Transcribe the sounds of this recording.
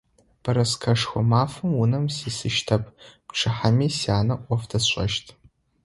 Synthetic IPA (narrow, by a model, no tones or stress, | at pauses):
b̥ɐɾɐskʰɐʂxʷɔmaːfɨmwʊnɐmsiːsɨʃtʰɐpʰpʈ͡ʂʰɨħamiːsiaːnɐʔʷɔfdɐɕʷʼɐ̰ʃtʰ